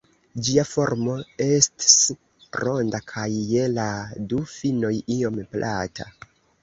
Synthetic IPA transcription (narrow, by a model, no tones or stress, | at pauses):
d͡ʒiafo̞ɾmo̞e̞sti̥s | ɾo̞ndakʰajːe̞ladufino̞jio̞mplʔata̰